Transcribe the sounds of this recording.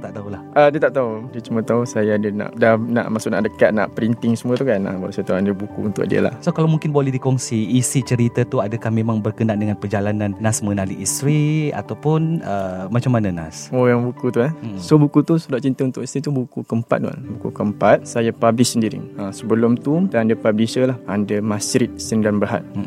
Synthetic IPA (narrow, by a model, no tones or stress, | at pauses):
t̪aʔt̪aulahʔədiət̪aʔt̪audiət͡ʃumat̪ausajaːdəna̰ʔdana̰ʔmaʔsʊʔna̰ʔdəkat̪̚na̰ʔpəɾint̪ɪŋsəmuət̪ukana̰baluʔsajat̪aadəbukṵunt̪ʊ̰ʔ̚diə̰la̰hsokalawmuŋkɪnbolɛhdikɔŋsiːsit͡ʃəɾit̪at̪uadakahmemaŋbərkənaʔndəŋanpərd͡ʒalananːasmənaliʔist̪ɾia̰t̪awpʊnəmat͡ʃamːananasoɣaŋbukut̪uansobukut̪usudaʔt͡ʃint̪əunt̪ʊʔist̪ɾit̪ubukukəmpa̰t̪̚dua̰nbukṵkəmpat̪̚sajapablɪssəndiɾḭasəbəlʊmt̪udaandəpablisəlahandəmasɾit̪̚sindanbaɦa̰t̪̚